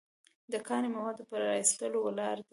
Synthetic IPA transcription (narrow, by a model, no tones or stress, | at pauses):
d̪əkɑnimawɑd̪opəɾːɑist̪əlowlɑɾd̪i